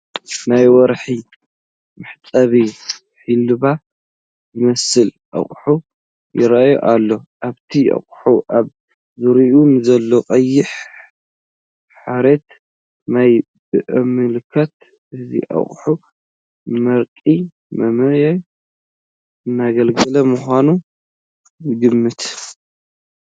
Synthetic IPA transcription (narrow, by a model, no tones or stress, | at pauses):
najwɔɾħi | mɨħt̪ʼɐβi | ħilɨβa | zɨmɐsɨlʔɐ̰χʼħu | jɪɾajo̰ʔalːo̞ʔaβt̪ʰiʔɐ̰χʼħuʔaβ | zɨɾiʔunɨzɐlːo̞qʼɐjːɪħ | ħaɾet̪ | naj | bɨʔɨmɨlkʰɐt̪ | ʔɨzḭʔa̰χʼħu | mɐɾkʼi | mɐmɨja | ɨnːaɡɐlɡɐlɐmuxʷanu | ɡɨmːɨt̪